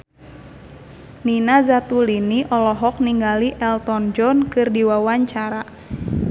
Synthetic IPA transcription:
ninazat̪uliniʔɔlɔɦɔk̚niŋɡaliʔɛlt̪ɔnd͡ʒɔnkɨrdiwawaɲt͡ʃaɾa

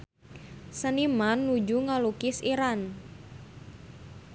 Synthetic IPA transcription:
sənimanːud͡ʒuŋalukɪsiɾan

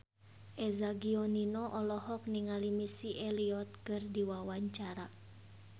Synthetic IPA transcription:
ʔɛzaɡiɔninɔʔɔlɔɦɔk̚niŋalimisiʔɛliɔt̪̚kɨrdiwawaɲt͡ʃaɾa

